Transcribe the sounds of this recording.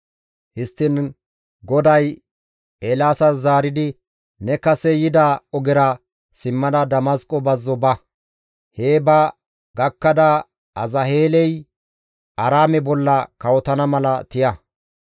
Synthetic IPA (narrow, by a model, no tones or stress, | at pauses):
hɪst̪ːɪn | ɡɔd̪ɐj | eːlaːsɐzaːɾɪd̪ɪ | nɛkɐsɛjɪd̪aɔɡɪɾɐ | sɪmːɐd̪ɐd̪ɐmɐskʼɔbɐzːɔbɐ | heːbɐ | ɡɐkːɐd̪ɐ | ɐzɐheːlɛj | ʔɐɾaːmɛbɔlːɐkɐwɔt̪ɐnɐmɐlɐt̪ɪjɐ